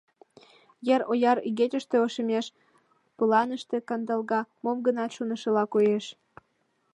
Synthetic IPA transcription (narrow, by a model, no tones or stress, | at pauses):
jeɾojɑɾyɣetʲəʃt̪eoʃəmeʃ | pulɑnəʃt̪e̽kɑnd̪ɑlɣɑmomɡənɑt̪ʃunə̆ʃə̆lɑkojeʃ